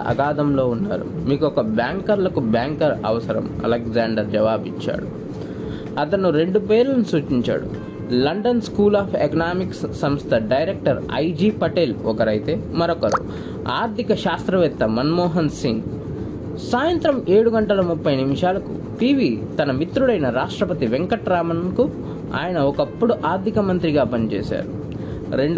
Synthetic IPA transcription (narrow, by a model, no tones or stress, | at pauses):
ɐ̰ɡaːd̪ɐmlo̞ːunːa̰ːɾṵmiːkuɔkɐbjaːŋkɐɾlɐkubjaːŋkɐɾɐ̰ʋɐsɐɾɐ̰mɐ̰lekzaːɳɖɐɾd͡ʒɐʋaːbit͡ʃːa̰ːɽu | ɐt̪ɐnːuɾe̞ɳɖupeːlɐnisuːt͡ʃiɲt͡ʃa̰ːɽṵ | lɐɳɖɐnskuːlaːpʰekɐnaːmikssɐmst̪ʰɐɖɐjɾek̚ʈɐɾɐ̰jd͡ʒiːpɐʈeːlɔkɐɾɐjt̪e̞ːmɐɾɔkɐɾṵ | a̰ːɾt̪ikɐʃaːst̪ɾɐʋɛt̪ːɐmɐnmɔːɦɐnsin | saːjɐnt̪ɾɐme̞ːɽuɡɐɳʈɐlɐmupːɐjnimʂaːlɐkṵ | piːʋiːt̪ɐnɐmit̪ɾuɽɐjnɐɾaːʂʈɾɐpɐt̪iʋeŋkɐʈɾaːmɐnnku | a̰ːjɐnɐɔkɐpːuɽuʔaːɾt̪ikɐmɐnt̪ɾiɡaːpɐnit͡ʃḛːsa̰ːɾu | ɾeɳɖ